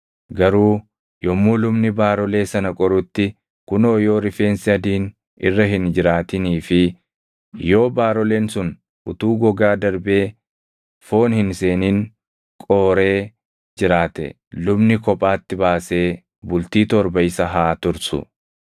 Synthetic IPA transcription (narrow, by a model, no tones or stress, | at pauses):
ɡɐɾuː | jɔmːuːlʊmnɪbaːɾɔle̞ːsɐnɐkʼɔɾʊt̪ːɪ | kʊnoːjo̞ːɾɪfe̞ːnsɪɐd̪iːn | ɪ̰rːɐɦɪnd͡ʒɪɾaːt̪ɪniːfɪ | jo̞ːbaːɾɔleːnsʊn | ʔʊt̪uːɡɔɡaːd̪ɐɾbe̞ː | fo̞ːnhɪnse̞ːniːn | kʼoːɾe̞ː | d͡ʒɪɾaːt̪ɛ̰ | lʊbnɪkɔpʼaːt̪ːɪbaːse̞ː | bʊlt̪iːt̪ɔɾbɐɪsɐɦaːt̪ʊɾsʊ̰